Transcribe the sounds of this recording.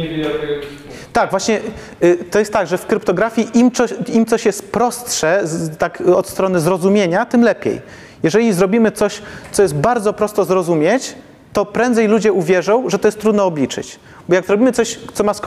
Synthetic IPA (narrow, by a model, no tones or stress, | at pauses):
t̪aɡvwaɕɲɛ | t̪ɔjɛst̪ːaɡʐɛfkɾɘpt̪ɔɡɾafʲiʔimɔimt̪ɔɕjɛst̪̚pɾɔst̪ʂɛt̪akɔt̪st̪ɾɔnɘzɾɔzumʲjeɲat̪ɘmlɛpʲjḛj | jɛʐɛlʲizɾɔbʲimɘt̪sɔɕt̪sɔjɛst̪̚baɾd̪zɔpɾɔst̪ɔzɾɔzumʲjet͡ɕ | t̪ɔpɾɛnd̪zɛjlud͡ʑɛuvʲjɛʐɔ̃w̃ʐɛt̪ɔjɛst̪ːɾud̪nɔːblʲit͡ʂɘ̰t͡ɕ | bɔjaɡzɾɔbʲimɘt̪sɔɕt̪sɔmask